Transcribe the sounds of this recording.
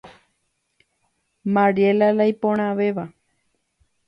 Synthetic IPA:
mãɾielalajpõɽ̃ãʋeʋa

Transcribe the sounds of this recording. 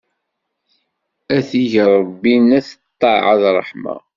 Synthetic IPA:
æθiʝɾˤbːinæθət̪ˤːɑʕɑðrˤəħmɑ̰

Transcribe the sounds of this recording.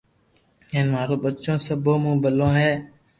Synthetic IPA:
ẽːnʋaːɾoːɓət͡ʃõːsəbʱõːmũːbəlõːɦeː

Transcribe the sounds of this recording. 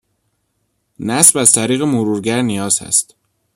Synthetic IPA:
næsbæzt̪ʰæɾiːɣemoɾuːɾɟæɾnijɒːz̥hæ̰st̪

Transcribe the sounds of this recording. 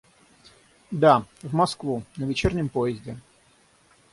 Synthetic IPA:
d̪avmɐskvunəvʲɪt͡ɕernʲɪmpojɪzʲdʲɪ

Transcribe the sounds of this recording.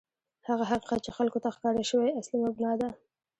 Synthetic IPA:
haɣaɦaqiqat̪̚t͡ʃexalkot̪axkɑɾaʃəweaslimabnɑd̪a

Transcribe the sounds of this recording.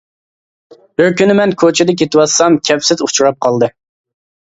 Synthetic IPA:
b̥ɪɾkʲynɪmɛnkʲʰot͡ʃʰɪd̪ɛk̬ʲet̪ɪwɑsɑmkʲʰɛpsɪzut͡ʃʰuɾɑp̚qʰɑlˠd̪ɨ

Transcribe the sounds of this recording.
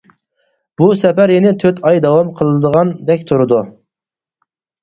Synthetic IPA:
b̥usɛpæɾjenɪt̪ʰøt̪ʰɑjd̪ɑwɑmqʰəlˠd̪əʁɑnd̪ɛkʲt̪ʰuɾɨd̪u

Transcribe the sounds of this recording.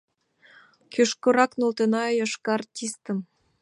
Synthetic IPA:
kʰøʃkŏɾɑknolt̪enɑjɑʃkɑrtʲist̪ə̆m

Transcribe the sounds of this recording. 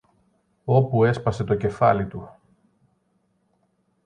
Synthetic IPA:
o̞pue̞spɐse̞t̪o̞ce̞fɐlit̪u

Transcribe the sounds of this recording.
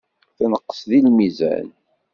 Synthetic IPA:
θænəqːə̥sðilmizæ̰n

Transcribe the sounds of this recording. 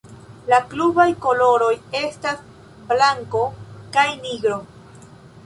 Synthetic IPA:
laklubajko̞lo̞ɾo̞je̞stas | blaŋko̞kajniɡɾo̞

